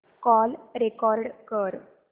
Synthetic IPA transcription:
kɔlɾekɔɾɖkəɾ

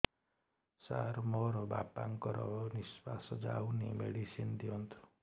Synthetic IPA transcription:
saɾmɔɾʌbapaŋkʌɾʌnispasʌd͡zawnemeɽisind̪iont̪ʰu̥

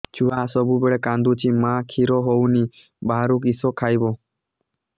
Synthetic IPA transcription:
t͡ʃʰuasəbʱubeɭɛkãnd̪ut͡ʃʰimãkʰiɾoɦowni | baːɾũkisokʰajbo

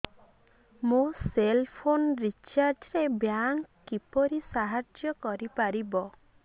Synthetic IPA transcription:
moselpʰonɾit͡ʃaɾd͡ʒɾebjaŋkkːipɔɾisaɦaɾd͡ʒjɔkɔɾipaɾibɔ

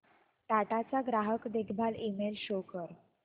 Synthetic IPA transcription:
ʈaʈat͡saɡɾaɦəkd̪ekʰbʱalimelɕokəɾ

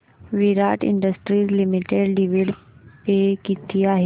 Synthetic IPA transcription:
ʋiɾaːʈɪ̰̃ɳɖəsʈɾiːzlimiʈeɖɖiʋiɖ | pekit̪ʰiaːɦe

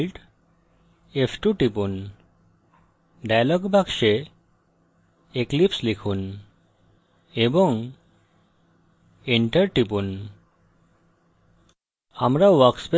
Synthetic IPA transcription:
lʈ | epʈuʈipun | ɖajlɔɡbʱakʃe | eklipslikʰun | ebɔŋ | iɳʈəɾʈipun | amɾaʋaɾkspe

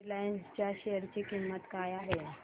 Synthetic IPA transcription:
lajənst͡ɕjaɕejəɾt͡ɕikimːət̪kajaɦe

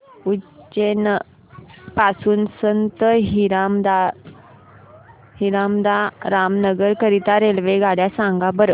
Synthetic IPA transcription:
ut͡ɕen | pasuːnsənt̪əɦiɾamd̪a | hiɾamd̪aɾamnəɡəɾkəɾit̪aɾelʋeɡaɽjasãŋɡabəɾə

